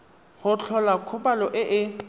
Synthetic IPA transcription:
χʊt͡ɬʰɔlakʰʊpalɔʔɪʔɪ

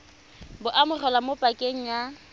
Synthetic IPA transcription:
bʊʔamʊrɛlamopʼakʼeŋ̩ja

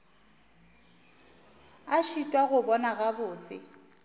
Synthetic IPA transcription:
aʃitʼwaɣʊbɔnaɣabʊːt͡sʼɪ̰

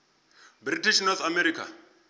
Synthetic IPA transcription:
britiʃnɔθamɛɾiːkʰa̰

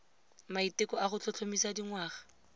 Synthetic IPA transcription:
maitɪkɔaχʊt͡ɬʰɔt͡ɬʰomisadiŋwaːχḁ

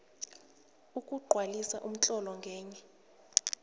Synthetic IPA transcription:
ukʼuɡ͡ǃʱwalisa̰ʔum̩t͡ɬʼɔlɔŋɡʱɛːɲɛ

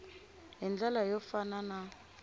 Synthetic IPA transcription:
ɦind͡ɮalajɔfanana

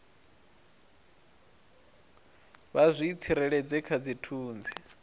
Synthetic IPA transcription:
βazʷiːt͡sʰiɾɛɺɛd͡zɛkʰad͡zitʰuːnd͡zi

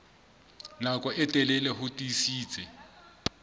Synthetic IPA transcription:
nakʼɔʔɛtʼɛlɛlɛɦʊtʼisiːt͡sʼɛ

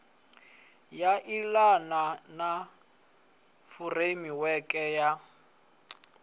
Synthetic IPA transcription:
jaʔilanana | furemiwɛkʼɛja

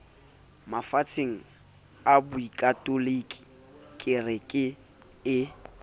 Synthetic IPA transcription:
mafat͡sʰeŋ̩ | abʊikʼatʼolikʼi̥ | kʼɪrɪkʼɪ | ɪ

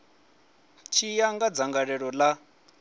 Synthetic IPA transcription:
t͡ʃʰijaŋɡad͡zaŋɡaɺɛɺɔla

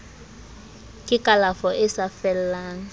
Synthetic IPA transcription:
kʼɪkʼalafɔʔɪsafɛl̩laːŋ̩

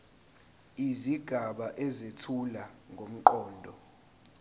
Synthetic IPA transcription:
iziɡ̥ʱaɓaʔɛzetʰulaŋɡʱom̩ǃɔːndʱɔ

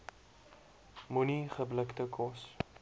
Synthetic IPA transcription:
muniχəbləktəkʰɔs

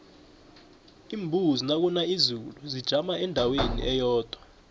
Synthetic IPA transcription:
iːmbʱuzinak̬unaizuluzid̥ʒ̥ʱamaɛndʱawenḭʔɛjɔːd̥ʱwa

